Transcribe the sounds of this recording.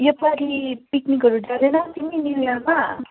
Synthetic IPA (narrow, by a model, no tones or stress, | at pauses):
jʌpaɾipiknikɦʌɾud͡zad̪enʌt̪iminiɾjama